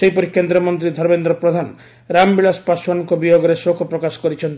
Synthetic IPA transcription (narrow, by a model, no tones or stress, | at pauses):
seɦipɔɾikend̪ɾɔmɔnt̪ɾid̪ʱɔɾbend̪ɾɔpɾɔd̪ʱanɔ | ɾambilaspaswanɔŋkɔbijoɡɔɾesokʰɔpɾɔkasɔ̥kɔɾit͡ʃʰɔnt̪